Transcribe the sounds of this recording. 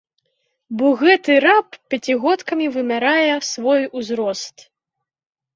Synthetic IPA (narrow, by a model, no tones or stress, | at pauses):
bɔɣɛt̪ɨɾappʲat͡sʲiɣɔt̪kɐmʲivɨmʲaɾajɛsvɔjuzɾɔst̪